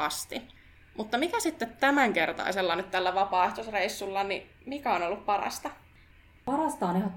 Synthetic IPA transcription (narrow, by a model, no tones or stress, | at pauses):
ɑst̪i | mʔut̪ːɑmikæsit̪ːet̪t̪æmæŋkert̪ɑ̰iselːɑnyt̪t̪ːælːæʋɑpɑːeht̪osreisːulːɑni | mikæonolːuppɑɾɑ̰st̪ɑ | pɑɾɑst̪ɑonehɑ